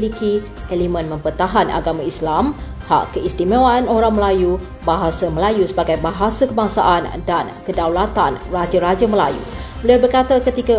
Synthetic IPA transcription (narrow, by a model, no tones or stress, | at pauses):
liki | ɛlimə̃nmə̃mpərt̪aɦanʔa̰ɡamãislamha̰ʔkəist̪imawanoɾaŋməlaju | baɦasaməlajusəbaɡajbaɦasakəbaŋsa̰ʔandankədawlat̪anrad͡ʒaɾad͡ʒaməla̰jṵbəliabərkat̪akət̪ika